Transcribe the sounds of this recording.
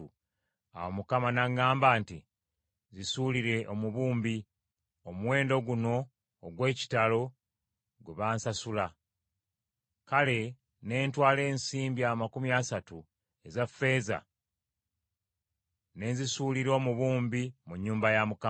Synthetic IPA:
u | a̰womukamanaɡaːmbaːnti | zisuliɾe̞ʔo̞muβuːmbi | omwe̞ːndo̞ɡuno̞ː | ɡwe̞ːci̥talo̞ | ɡuβaːnsasula | kale̞ | ne̞ːntwaːle̞ːnsiːmbiamakumjasatu | e̞zafe̞ːza̰ | ne̞zisuːliɾo̞ːmuβuːmbimuɲːuːmbajamuka

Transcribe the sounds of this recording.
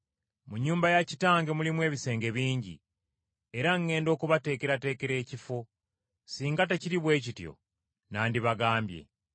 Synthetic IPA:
muɲːuːmbajacitaːŋɡe̞mulimwe̞ːβise̞ːŋɡe̞βiːɲɟḭ | e̞ɾaŋːe̞ːndo̞ːkuβate̞ːkeɾate̞ːke̞ɾe̞ːcifo̞ | siːŋɡate̞ciɾiβwe̞ːcitjo̰ | naːndiβaɡaːmbje̞̰

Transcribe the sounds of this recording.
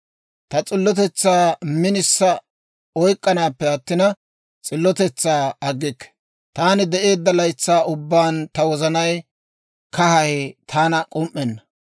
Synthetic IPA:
t̪ɐt͡sʼɪlːɔt̪ɛt͡sːaːmɪnɪsːɐ | ɔjkʼːɐnaːpːɛɐt̪ːɪnɐ | t͡sʼɪlːɔt̪ɛt͡sːaːɐɡːɪkːɛ̥ | t̪aːnɪd̪ɛʔe̞ːd̪ːɐlɐjt͡sːaːʊbːaːnt̪ɐwɔzɐnɐj | kɐhɐhɛt̪ʰaːnɐkʼɔmʔːɛnːɐ

